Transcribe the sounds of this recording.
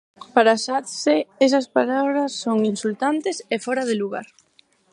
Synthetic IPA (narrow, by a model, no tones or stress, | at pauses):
paɾasat̪seɛsɐspalaβɾɐsːoŋinsult̪ant̪ɪsefɔɾaðɪluɣa̰ɾ